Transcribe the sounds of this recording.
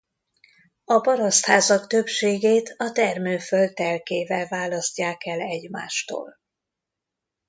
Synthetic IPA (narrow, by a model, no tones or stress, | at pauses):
ɒpɒɾɒst̪haːzɒkt̪øpʃeːɡeːt̪ʰɒt̪ɛrmøːføld̪̚ɛlkeːvɛlvaːlɒscaːkɛlɛɟma̰ːʃt̪o̰ːl